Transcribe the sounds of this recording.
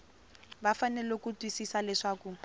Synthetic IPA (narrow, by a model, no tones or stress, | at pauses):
bafanɛlokutwisisalɛʂaːku